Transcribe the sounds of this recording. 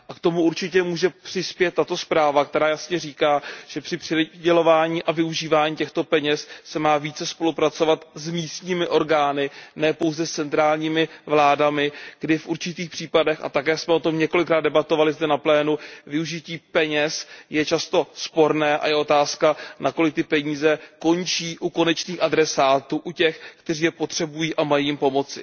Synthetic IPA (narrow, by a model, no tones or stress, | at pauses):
ʔakt̪o̞muʔuɾt͡ʃɪcɛmuːʒɛpr̝̥ɪspjɛt̪ːat̪o̞spɾaːvak̚t̪ɛɾaːjasɲɛriːkaːʒ̥ɛpr̥ɪpr̥ɪɟɛlo̞vaːɲiːʔavɪuʒiːvaːɲiːcɛxt̪o̞pɛɲɛssɛmaːviːt͡sɛspo̞lupɾat͡so̞vat̪zmiːst̪ɲiːmɪʔo̞ɾɡaːnɪnɛːpo̞wzɛst͡sɛnt̪ɾaːlɲiːmɪvlaːdamɪɡ̥dɪfʔuɾt͡ʃɪt̪iːxpr̝̥iːpadɛxa̰t̪akɛːsmɛo̞t̪o̞mɲɛko̞lɪkɾaːd̪̚ɛbat̪o̞valɪzdɛnaplɛːnuvɪuʒɪciːpɛɲɛsjɛt͡ʃast̪o̞spo̞ɾnɛːʔa̰jɛʔo̞t̪aːskanako̞lɪk̚t̪ɪpɛɲiːzɛko̞nt͡ʃiːʔuko̞nɛt͡ʃniːxʔadɾɛsaːt̪uːʔucɛxkt̪ɛr̝iːjɛpo̞t̪r̝̥ɛbujiːʔamajijɪmpo̞mo̞t͡sɪ